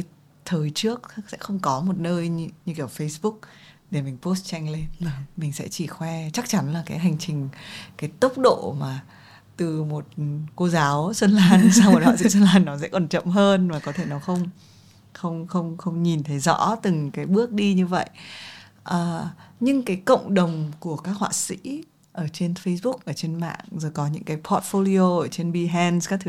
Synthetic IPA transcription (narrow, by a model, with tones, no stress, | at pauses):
t̪ʰəː˨˩jt͡ɕɨ˦˥ək̚sɛ̰˧˥xə˧wŋ͡mkɔ˨˦mo˨˩t̚nəː˧jɲ˧ɲɨ˧kːfə˧jsɓʊ˦˥k̚ɗe˧˩mï˨˩ŋ̟po˦˥st̚t͡ɕɛ˧ŋle˧mï˨˩ŋ̟sɛ̰˧˥t͡ɕi˧˩xwɛ˧t͡ɕa˦˥k̚t͡ɕa˨˦nlaː˨˩kaː˨˦jɦa˨˩jŋ̟t͡ɕï˨˩ŋ̟kaː˨˦jt̪ə˦˥k͡p̚ɗo̰˧˨maː˨˩ | t̪ɨ˨˩mo˨˩t̚ko˧zaː˨˦wswə˧nlaː˧nsaː˧w̚wa̰ː˧˨zɨ̰˧˥s̬ə˧nlaː˧nːɔ˨˦sɛ̰˧˥kɔ˨˩nt͡ɕə̰˧˨mɦəː˧nmaː˨˩kɔ˨˦t̪ʰe˧˩nɔ˨˦xə˧wŋ͡m | xə˧wŋ͡mxə˧wŋ͡mxə˧wŋ͡mɲi˨˩nt̪ʰə˨˦jzɔ̰˧˥t̪ɨ˨˩ŋkaː˨˦jɓɨ˦˥ək̚ɗi˧ɲɨ˧və̰˧˨jʔ | ʔəː˨˩ɲɨ˧ŋkaː˨˦jkə̰˧˨wŋ͡mɗə˨˩wŋ͡mku˧˩əkaː˦˥k̚hwa̰ː˧˨sḭ˧˥ | ʔəː˧˩t͡ɕe˧nfə˧jsɓʊ˦˥k̚ʔəː˧˩t͡ɕe˧nma̰ː˧˨ŋzo˨˩jkɔ˨˦ɲɨ̰˧˥ŋkaː˨˦jpʰɔ˨˦˥t̚fo˧li˧o˧ʔəː˧˩t͡ɕe˧nɓi˧ɦɛ˧nskaː˦˥k̚t̪ʰɨ˨˧˦